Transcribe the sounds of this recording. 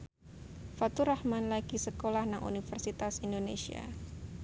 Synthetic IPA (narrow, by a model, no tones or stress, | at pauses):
fat̪uɾahmanlaɡ̥isəkolahnaŋʔṵnifərsit̪asindonḛsia̰